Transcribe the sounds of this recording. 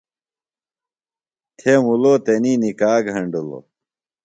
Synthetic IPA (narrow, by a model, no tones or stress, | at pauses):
t̪ʰemuloːt̪eninikaːɡʱɐɳɖulo̰